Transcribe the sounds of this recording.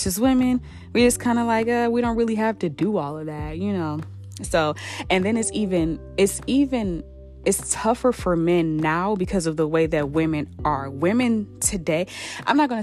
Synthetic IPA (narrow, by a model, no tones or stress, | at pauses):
t͡ʃʌswɪ̃mɨ̃n | wɨɹd͡ʒʌskʰãɪ̃ndəlaɪkʌwiɾõʊ̃nt̚ɹɪlˠiɦæftɨdɨɔlˠʌvðæt̚jɨnoʊ | soʊɨ̃nðɨ̃nɨtsivɨ̃n | ɪtsivɨ̃n | ɨtstʰʌfə˞fə˞mɛ̃nːaʊbɨkʰʌzʌvðəweɪðɨt̚wɪ̃mɨ̃nʔə˞wɪ̃mɨ̃ntʰɨdeɪʔã̰ɪ̃mnət̚ɡ̥ʌñ